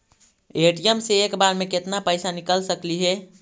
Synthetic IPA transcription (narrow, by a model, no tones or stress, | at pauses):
eʈijəmseːkbaɾmẽket̪napəɪsanikəlsəkliɦɛ